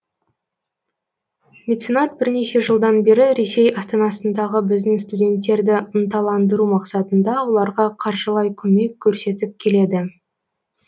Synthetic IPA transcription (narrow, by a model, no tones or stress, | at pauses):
mʲet̪sinɑt̪̚bɪɾne̞ʃe̞ʒəlˠd̪ɑnbe̞ɾɪɾe̞se̞jɑst̪ɑnɑsənd̪ɑʁəbɪzd̪ɪŋst̪udʲe̞nt̪ːe̞ɾd̪ɪənt̪ɑlˠɑnd̪əɾumɑqsɑt̪ənd̪ɑwo̞lˠɑɾʁɑqʰɑɾʒəlˠɑjkʲʰɵme̞kʲʰːɵɾse̞t̪ɪp̚kʲʰe̞le̞d̪ɪ